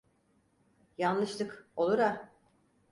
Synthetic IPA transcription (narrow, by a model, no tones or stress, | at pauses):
janlˠɯʃt̪ˠɯko̞lˠuɾa